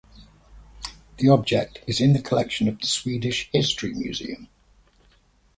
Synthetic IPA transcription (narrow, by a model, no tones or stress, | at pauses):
ðiɒb̚d͡ʒɛk̚tʰɪzɪ̃nðəkʰəlɛkʃə̃nəvðəswiːdɪʃhɪstɹ̥imjʉ̰ːzḭə̃m